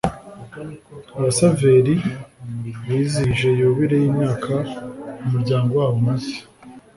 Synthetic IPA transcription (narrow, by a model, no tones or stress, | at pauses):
aβasave̞ɾi | βiːziʒe̞joːβiɾe̞jiːmɲaːkʰaumuɾɟaːŋɡo̞waːwomazi̥